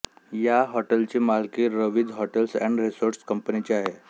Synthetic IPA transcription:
jaɦɔʈəlt͡ɕimalkiɾəʋid͡zɦɔʈelsɛ̃ɳɖɾesoɾskəmpənit͡ɕeaɦe

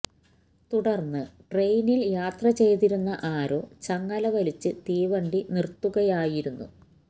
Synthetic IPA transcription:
t̪uɽɐrnːɨʈre̞jniljaːt̪rɐt͡ɕe̞jt̪iɾunːɐʔaːɾo̞ːt͡ɕɐŋːɐlɐʋɐlit͡ɕːɨt̪iːʋɐɳɖinirt̪ːuɣɐjaːjiɾunːṵ

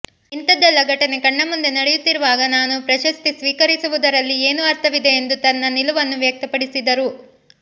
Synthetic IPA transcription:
int̪ɐd̪ɐlːɐɡɐʈɐnekɐɳːɐmːund̪e̞nɐɽejut̪ːiɾuʋaːɡɐnaːnupɾɐʃɐst̪isʋiːkɐɾisuʋud̪ɐɾɐlːieːnuɐɾt̪ʰɐʋid̪e̞ːnd̪ut̪ɐnːɐniluʋɐnːuʋjɐk̚t̪ɐpɐɽisid̪ɐɾu

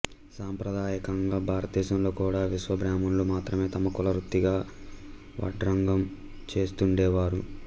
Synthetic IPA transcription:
saːmpɾɐd̪aːjɐkɐŋɡaːbʱaːɾɐt̪iːsɐmloːkuːɽaːʋiʃʋɐbɾaːmɐnlumaːt̪ɾɐme̞ːt̪ɐmɐkɔlɐɾut̪ːiɡaː | ʋɐ̰ʈɾɐŋɡɐm | t͡ʃe̞ːst̪uɳɖɛːʋaːɾu

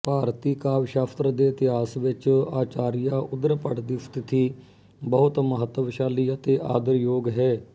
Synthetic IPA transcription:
paːɾt̪iːkaːʋʃaːfʰt̪ɾəd̪eːɪt̪ɪɦaːsʋɪt͡ʃaːt͡ʃaːɾɪjaːʔʊd̪əɾpəɽd̪ɪst̪t̪ʰiː | bəɦʊt̪məɦət̪ːʋʃaːliːət̪eːʔa̰ːd̪əɾjoːɡɦɛː

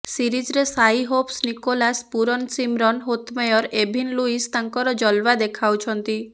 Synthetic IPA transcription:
siɾid͡ʒɾesajɦopsnikolaspuɾɔnsimɾɔnɦot̪mɔjɔɾebʱinluist̪aŋkɔɾɔd͡ʒɔlʋad̪ekʰawt͡ʃʰɔnt̪i

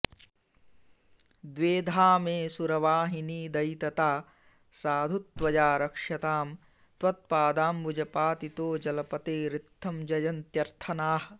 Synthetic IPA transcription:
d̪ʋeːd̪ʱaːmeːsuɾɐʋaːɦiniːd̪ɐjt̪ɐt̪aː | saːd̪ʱut̪̚ːʋɐd͡ʒaːɾɐkʂjɐt̪aːm | t̪ʋɐt̪̚paːd̪aːmbud͡ʒɐpaːt̪it̪oːd͡ʒɐlɐpɐt̪eːɾɪt̪ʰːɐmd͡ʒɐjɐnt̪jɐɾt̪ʰɐnaːɦɐ̆

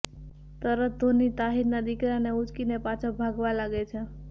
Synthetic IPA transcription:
t̪əɾət̪̚d̪ʱonit̪aɦiɾnad̪ikɾaneut͡ʃkinepat͡ʃʰəbʱaɡʋalaɡet͡ʃʰe

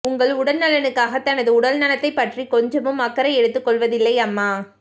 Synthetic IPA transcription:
ʊŋɡɐɭʊɽɐlnɐlɐnɯkːaːɣɐt̪ːɐnɐðɯʊɽɐlnɐnɐt̪ːɐɪpːɐʈrikɔɲd͡ʒɐmɯmɐkːɐɾɐɪɛɽɯt̪ːɯkːɔɭʋɐðɪlːɐɪɐmːaː

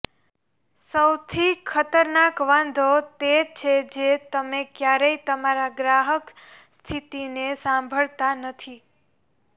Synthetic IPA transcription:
səwt̪ʰikʰət̪əɾnakʋãnd̪ʱot̪et͡ʃʰed͡ʒet̪əmekjaɾəit̪əmaɾaɡɾaɦəkst̪ʰit̪inesãmbʱəɭt̪anət̪ʰi

